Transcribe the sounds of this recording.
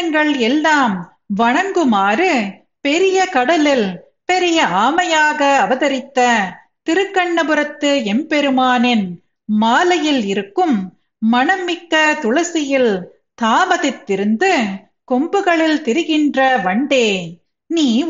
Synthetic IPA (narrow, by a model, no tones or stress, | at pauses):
ŋɡɐɭɛlːaːm | ʋɐɳɐŋɡɯmaːrɯ | pɛɾɪjɐkɐɽɐlɪl | pɛɾɪjɐaːmɐjaːɣɐːʋɐðɐɾɪt̪ːɐ | t̪ɪɾɯkːɐɳːɐpɯɾɐt̪ːɯɛmpɛɾɯmaːnɪn | maːlɐjɪlɪɾɯkːɯm | mɐɳɐmːɪkːɐt̪ʊɻɐsɪjɪl | t̪aːmɐðɪt̪ːɪɾɯnd̪ɯ | kɔmbɯɣɐɭɪlt̪ɪɾɯɣɪndrɐʋɐɳɖeː | niː